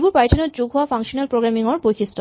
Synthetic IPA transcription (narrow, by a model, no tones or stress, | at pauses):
bupajtʰanod͡ʑuɡʱɦoafaŋʃonalpɾoɡɾamiŋoɾpojkʰistɔ